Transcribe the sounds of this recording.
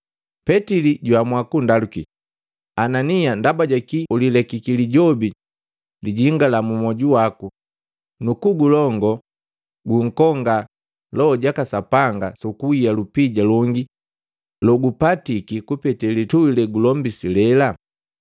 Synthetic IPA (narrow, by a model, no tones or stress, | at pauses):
pɛtiliɟwamwakundaluki | ananiandabaɟakiulilɛkikiliɟɔbi | liɟiŋɡalamumɔɟuwaku | nukuɡulɔŋɡɔ | ɡuŋ̩kɔŋɡa | lɔːɟakasapaŋɡasukuijalupiɟalɔŋɡi | lɔɡupatikikupɛtɛlituwilɛɡulɔmbisilɛla